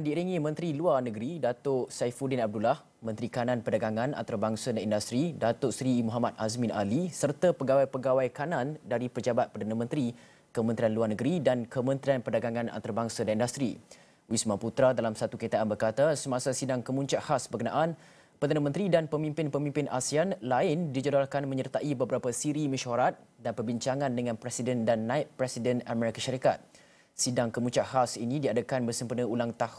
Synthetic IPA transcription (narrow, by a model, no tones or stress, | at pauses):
andiiɾiŋĩmə̃nt̪ɾiluarnəɡəɾidat̪ʊʔsajfudɪnab̚dulah | mə̃nt̪ɾikanãnpədaɡaŋãna̰nt̪aɾabaŋsadanindast̪ɾidat̪ʊʔsɾimuɦamat̪̚asmĩnʔalisərt̪apəɡawajpəɡawajkanãndaɾipərd͡ʒabat̪̚pərdanamə̃nt̪ɾi | kəmənt̪ɾianluarnəɡəɾidankəmə̃nt̪ɾianpədaɡaŋãna̰nt̪aɾabaŋsadanindast̪ɾḭ | wismãput̪ɾadalamsat̪ukəɲit̪aʔanbərkat̪asəmasasidaŋkəmuɲt͡ʃaʔhasbərkəna̰ʔan | pərdanãmənt̪ɾidanpəmĩmpɪnpəmĩmpɪnʔasianlaɪndid͡ʒadalkanmə̃ɲərt̪aʔibəbəɾapasiɾiməʃaɾat̪̚danpərbiɲt͡ʃaŋãndəŋãnpɾɛsidəndanːãɪʔpːɾɛsidənamɛɾikaʃaɾika̰t̪̚ | sidaŋkəmuɲt͡ʃaʔhasinĩdiadəkanbərsəmpənə̃ulaŋt̪ah